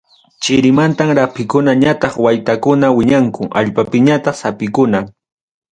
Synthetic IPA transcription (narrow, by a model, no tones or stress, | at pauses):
t͡ʃɪɾɪmant̪amɾapɪkʊnaɲat̪ɑχwajt̪akʊnawɪɲaŋkʊʔa̰ʎpapɪɲat̪ɑχsapɪkʊnaŋ